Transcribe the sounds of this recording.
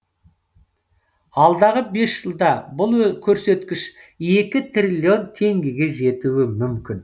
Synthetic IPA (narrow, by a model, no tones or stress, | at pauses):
ɑlˠd̪ɑʁəbe̞sʒ̥əlˠd̪ɑbʊlˠkʲʰɵɾse̞t̪kʲɪʃe̞kʲɪt̪ʰrʲilʲːio̞nt̪ʰe̞ŋɡʲeɡʲe̞ʒe̞t̪uɪmʏmkʲɪn